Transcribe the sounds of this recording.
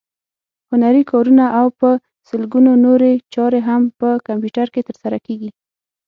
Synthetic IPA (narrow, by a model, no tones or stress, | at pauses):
hʊnaɾikɑɾunaʔawpə | səlɡunonoɾet͡ʃɑɾeɦampəkampjuʈaɾket̪əɾsaɾakeɡi